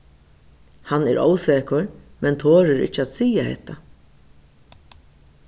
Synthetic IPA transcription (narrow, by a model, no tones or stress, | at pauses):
hanːɛɾo̰ːwseːkʊɾmɛnt̪ʰoːɾɪɾɪ̰t͡ʃːəaːt̪siːjahɛ̰t̪ʰːa